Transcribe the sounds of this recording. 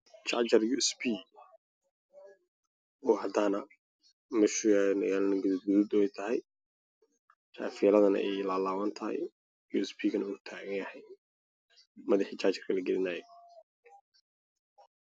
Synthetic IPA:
t͡ʃɑʕt͡ʃɐrjuɛsbiː | ɔːhɐd̪aːnɐ | mɛʃujajnɐ̰ɣaːlɐnɐɡʊðud̪̚ɡʊðʊb̪ɛjt̪ʰɐɦɛj | t͡ʃa̰ːfiːlɐðɐnɐ̰ʔɛjlaːlaːwɐnt̪ʰɐhɛ̰j | juːɛsbʰiːɡɐnɐuːt̪ʰaːɣɐŋjɐhɛj | mɐðɑħiːt͡ʃat͡ʃɐrkʰɐlɐɡɛlɪnaːjɛ

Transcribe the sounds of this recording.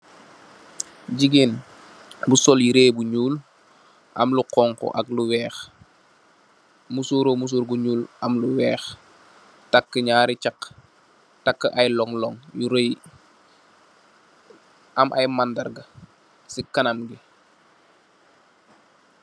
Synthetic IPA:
ɟiɡiːn | busɔljiɾeːjbuɲuːl | ʔɐmluqɔŋkɔ̰ʔɐkluwɛːx | musuːɾomus̬uːɾbuɲuːlɐmluwɛːx | takːəɲaːɾit͡ʃak | takːəʔɐjlɔŋlɔŋjuɾej | ʔɐmʔajmandɐrɡɐ | sikɐnɐmɡi

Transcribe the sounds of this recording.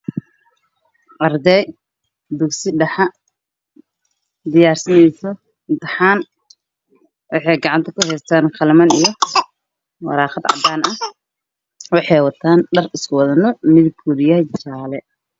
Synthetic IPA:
ʔɐrd̪ɛj | d̪ʊksɪɖɐħɑ | d̪ɪjaːrsɐnɛjsɔ | ɪnt̪ɪħaːn | wɑħɑjɡɑʕɑnt̪ʰɐkʰʊɦɛjst̪ʰaːnqɑlmɐnijɔ | wɑ̰ɾaːχɑd̪ʕɑ̰d̪aːnɐ | wɑħɑjwɑt̪ʰaːnɖɐrɪskʊwɐðɐnɔmɪðɪɡ̚ʰuɾjɐt͡ʃt͡ʃaːlɛ

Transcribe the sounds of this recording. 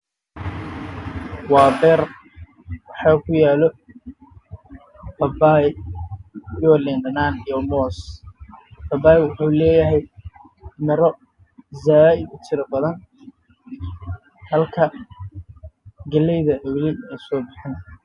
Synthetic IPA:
wɑːbɛːr | wɑħɑːkʰʊjaːlɔ | bɐbaːj | jɔlɛːnɖɐnaːnijɔmɔːs | bɐbaːjwʊħuːlɛːjɐɦɛj | nɐɾɔ | zaːɪd̪ʊt͡ʃʰɪɾɐbɐðɐn | hɐlkʰɐ | ɡɐlɛjðɐʔɐwlɛɛːsɔːbɪħɪn

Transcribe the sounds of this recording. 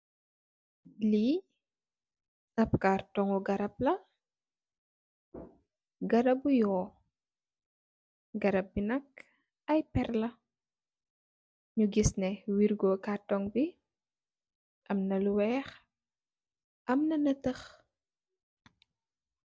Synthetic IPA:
li | ʔɐp̚kaːrtɔŋɔɡɐɾɐp̚lɐ | ɡɐɾɐbujɔː | ɡɐɾɐp̚binɐk | ɐjpɛrlɐ | ɲuɡisnɛwiɾɡɔkaːtɔŋbi | ʔɐmnɐluwɛːx | ʔɐmnɐnɐtəx

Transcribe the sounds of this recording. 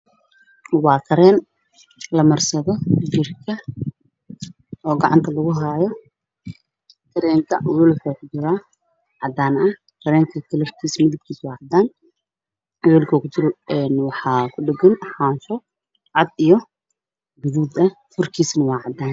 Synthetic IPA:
wɑːt̪ʰɐɾɛːn | lɐmɐrsɐðɔd͡ʒɪrkʰɐ | ɔːɡɐʕɑ̰nt̪ʰɐlɐɣʊɦaːjɔ | t̪ʰɐɾɛːŋkʰɐʔwɛlkɔkʰʊt͡ʃɪɾaː | ʕɑd̪aːnʔɐ | k̪ʰɐɾɛːŋkʰɐt̪ʰɐlɐfkʰiːsmɪðɪb̚kʰiːswɑːʕɑd̪aːn | wɛːlkʰɔːkʰʊt͡ʃɪɾɔɛnwɑħɑːkʰʊɖɪɡɐnħaːnʃɔ | ʕɑd̪ijɔ | ɡʊðuːd̪ɐ | fʊrkʰiːsnɐwɑːʕɑd̪aːn

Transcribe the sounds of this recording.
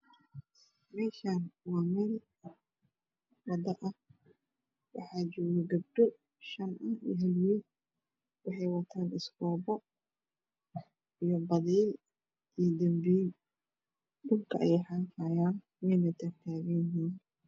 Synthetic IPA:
mɛːʃaːnwɑːmɛːl | wɑd̪ɐʔɐh | wɑ̰ħɑːt͡ʃɔːɣɛɡɐb̚ɖɔ | ʃɐnɐhḭjɦɐljiː | wɑħɑjwɑt̪ʰaːnɪskɔːbɔ | ijɔbɐðɛjl | ijd̪ɐmbiː | ɖʊlkʰɐʔɛ̰jɛħaːfʰaːjaːn | wɛjnɐt̪ʰɐrt̪ʰaːɣɛjɦiːn

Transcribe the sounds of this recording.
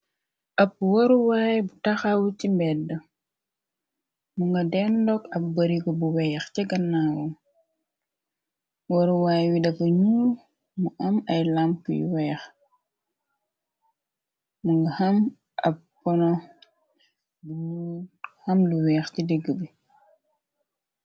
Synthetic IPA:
ʔɐp̚woɾuwaːjbutɐxawucimbɛdːɐ | muŋɡɐdɛnlɔkɐp̚bɐɾiɡɔbuwɛxcɛɡɐnːawu | woɾuwaːjwidɐfɐɲuːl | muʔɐmɐjlampujwɛːx | muŋɡɐhɐm | ʔɐ̰pːɔnɔ | bu | hɐmluwɛːxcidɛɡːəbi

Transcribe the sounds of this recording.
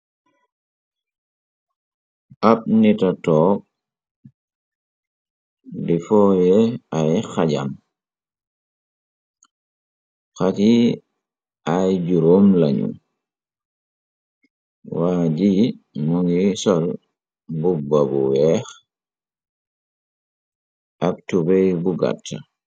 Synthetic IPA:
ʔap̚nitatɔːk̚ | difɔːjɛajxaɟa̰m | xati | ʔajɟuɾoːmlaɲṵm | waɟi | mɔŋɡisɔl | bubabuwɛx | ʔak̚tubejbuɡa̰tʰːa̰

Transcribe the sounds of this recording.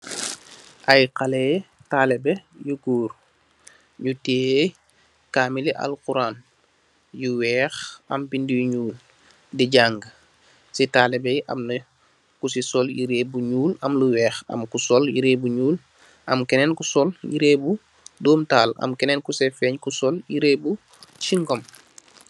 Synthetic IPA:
ʔɐjqɐlɛːtaːlɛbɛjuɡuːɾ | ɲuteː | kaːmiliʔɐ̰lquɾaːn | juwɛːxɐ̰mpindijuɲuːl | diɟaːŋɡə | sitaːlɛbɛjʔɐ̰mnɐ | kusisɔljiɾeːbuɲuːlɐmluwɛːxɐ̰mkusɔljiɾeːbuɲuːl | ʔɐmkɛnɛnkusɔljiɾeːbu | doːmtaːlɐ̰mkɛnɛnkusɛfɛːɲkusɔljiɾeːbu | t͡ʃiŋɡɔm

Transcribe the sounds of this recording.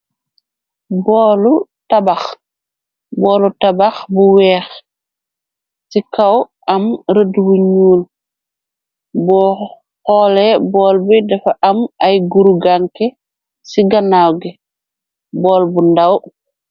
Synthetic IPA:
bɔːlutabax | bɔːlutabaxbuwɛːx | sikaw | ʔɐmɾədwuɲuːl | bɔ | hɔlɛbɔːlbidɛfaʔamajɡuɾuɡaŋkɛ | siɡanawɡɛ | bɔːlbundaw

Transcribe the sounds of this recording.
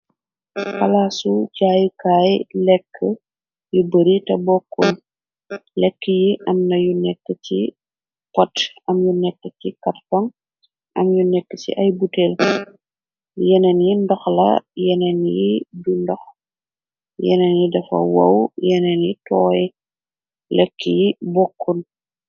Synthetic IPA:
kɐlaːsucaːjukaːjlɛkʰːə | jubəɾitɐbɔkːɔn | lɛkːəjiʔɐmnɐjunɛkːəci | pɔtɐmjunɛkːəcikɐttɐŋ | ʔɐmjunɛkːəsḭʔɐjbutɛl | jɛnɛnjindɔxlɐ̰jɛnɛnjidundɔx | jɛ̰nɛnjidɐfɐ̰wɐ̰wjɛnɛnjitɔːjɛ | lɛkːəjibɔkʰːun

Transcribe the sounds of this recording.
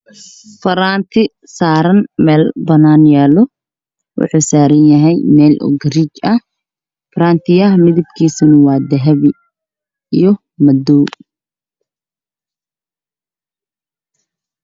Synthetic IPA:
fɐɾaːnt̪ʰɪ | saːɾɐnmɛːlbɐnaːnjaːlɔ | wʊ̰ħuːsaːɾɐnjɐɦɛjmɛːlʔɔ̰ɡɾit͡ʃɐh | fɾaːnt̪ʰɪɐhmɪðɪb̚kʰiːsɐnɪwaːd̪ɐɦɐβɪ | ijɔ | mɐd̪ɔː

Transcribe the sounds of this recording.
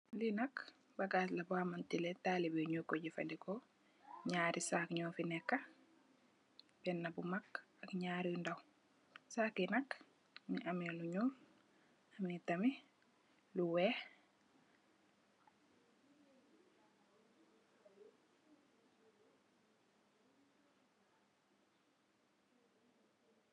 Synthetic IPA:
linak | baɡaslabamantilɛtaːlibeɲukːɔɟifa̰ndikɔ | ɲaːɾʔisaːkɲɔːfinɛkːa | b̥ɛnːabumakakɲaːɾiundaw | saːkinak | miʔamiluɲuːl | amnitami | luwɛ

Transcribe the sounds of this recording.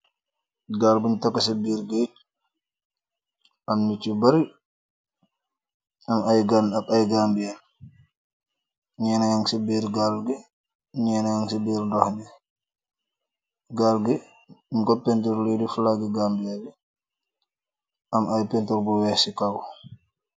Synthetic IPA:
ɡalbuntakːasibiɾɡɛ | ʔamnit͡ʃːibaɾi | amajɡanabajɡambijal | ɲɛnajaŋsibiɾɡalɡɛ | ɲɛːnajaŋsibiɾdɔhnɛ | ɡalɡɛ | mkɔpːɛntɔɾledifulaɡɛɡambijalɛ | ʔamajpɛntɔɾɡɔwɛsikawɔ

